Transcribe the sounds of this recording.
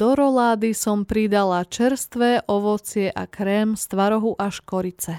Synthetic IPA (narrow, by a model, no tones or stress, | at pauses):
d̪̥ɔɾɔlaːd̪isɔmpɾid̪alat͡ʃɛɾst̪ʋɛʔɔʋɔt͡sɪɛʔa̰kɾɛːmst̪ʋaɾɔɦuʔaʃkɔɾit͡sɛ